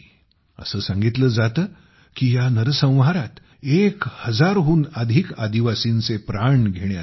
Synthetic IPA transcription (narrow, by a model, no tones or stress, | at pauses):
ə̰səːsãŋɡit̪ləːd͡zat̪əː | kiːjanəɾəsə̃w̃ʋɦaɾat̪ | ekhəd͡zaɾɦuːnad̪ʱiːkad̪iʋasiːnt͡sepɾaɳɡʱeɽ̃ja